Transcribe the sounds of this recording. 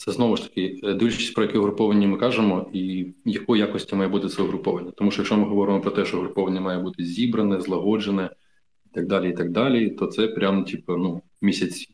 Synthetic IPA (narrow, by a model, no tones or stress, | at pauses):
t̪sɛznɔʋʊʃt̪ɐ̥kɪd̪ilʲʃt͡ʃi̥sʲpɾɔjɐkɛʊɦɾʊpɔʋɐnʲːimɪkɑʒemɔijɐkɔjijakɔsʲtʲimɑjɛbut̪ɪt̪sɛʊɦɾʊpɔʋɐnʲːɐt̪ɔmuʃt͡ʃɔjɐkʃt͡ʃɔmɪɦɔʋɔɾɪmɔpɾɔt̪ɛʃt͡ʃɔɦɾʊpɔʋɐnʲːɐmɑjɛbut̪ɪzʲibɾɐnɛzlˠɐɦɔd͡ʒenɛ | it̪ɐɡ̚d̪ɑlʲiit̪ɐɡ̚d̪ɑlʲit̪ɔt̪sɛpɾʲamtʲipɐnu | mʲisʲɐt͡sʲ